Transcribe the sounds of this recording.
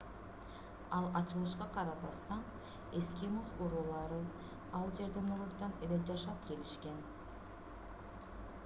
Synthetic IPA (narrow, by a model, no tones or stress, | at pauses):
ɑlˠɑt͡ʃɯlˠɯʃqɑqʰɑɾɑbɑst̪ɑn | e̞skimozqoɾuːlˠɑɾɯ | ɑlˠd͡ʒe̞ɾd̪emoɾuɾd̪ɑneled͡ʒɑʃɑp̚ke̞liʃke̞n